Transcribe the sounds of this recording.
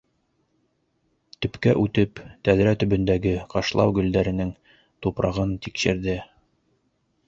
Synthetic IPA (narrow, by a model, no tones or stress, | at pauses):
t̪ɵ̆pkæʔʉt̪ɘpt̪æðɾæt̪ɵ̆bɵ̆nd̪æɡɘqɑʃlˠɑ̰wɡɵ̆ld̪æɾɘ̆nɘŋ | t̪upɾʔɑʁɤnt̪ikʃɘ̆ɾðɘ